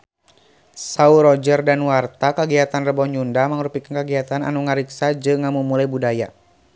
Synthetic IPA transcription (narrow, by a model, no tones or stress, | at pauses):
sauɾɔd͡ʒərdanwart̪akəɡiat̪anrəbɔɲundaməŋɾupikankəɡiɦat̪ana̰nuŋəɾiksad͡ʒɨŋːamumulajbudaja